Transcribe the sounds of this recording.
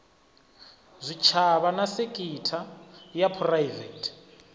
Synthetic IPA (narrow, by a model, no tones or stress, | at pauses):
zʷit͡ʃʰaβanasekʼitʰajapʰrajvɛtʰʼ